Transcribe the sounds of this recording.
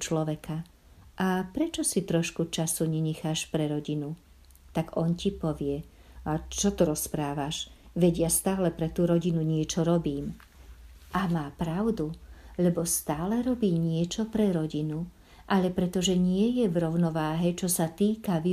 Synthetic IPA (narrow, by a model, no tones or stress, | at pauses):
t͡ʃlɔʋɛka | ʔapɾɛt͡ʃɔsit̪ɾɔʃkut͡ʃasuɲɛɲɛxaːʃpɾɛɾɔɟinu | t̪aɡɔncipɔʋɪɛ | at͡ʃɔt̪ɔɾɔspɾaːʋaʃʋɛɟɪjast̪aːlɛpɾɛt̪uɾɔɟinuɲɪɛt͡ʃɔɾɔbiːm | ʔamaːpɾaʊd̪uʎɛbɔst̪aːlɛɾɔbiːɲɪɛt͡ʃɔpɾɛɾɔɟinu | ʔaʎɛpɾɛt̪ɔʒɛɲɪɛjɛvɾɔʊnɔʋaːɦɛt͡ʃɔsat̪iːkaʋi